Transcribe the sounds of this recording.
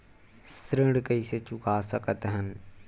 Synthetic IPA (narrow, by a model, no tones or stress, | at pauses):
sɾɪɽkəiːset͡ʃʊkaːsəkət̪ɦənɪ̆